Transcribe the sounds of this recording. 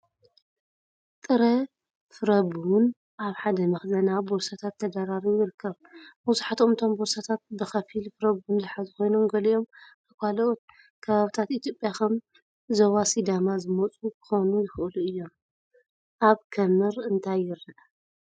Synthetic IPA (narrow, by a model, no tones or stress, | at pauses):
t̪ʼɨɾɐ | fɨɾɐbun | ʔaβħad̪ɐmɐxzɐnaboɾsat̪ʰat̪ʰːɐd̪aɾaɾijɪɾɨkʰːɐβ | buzuħat̪omt̪ʰo̞mboɾsat̪ʰat̪̚bɨxɐfilfɨɾɐβunzɨħazɨko̞jnomɡɐliʔo̞m | akʰʷaloʔot̪̚ | kʰɐβaβɨt̪ʰat̪it̪ʰjopʼjaxɐm | zowasid̪amazɨmɐt͡sʼukɨ̥xonujɪxʔɨluɨjːo̞m | ʔaβkʰɐmɨɾɨnt̪ʰajːɪɾːɐʔ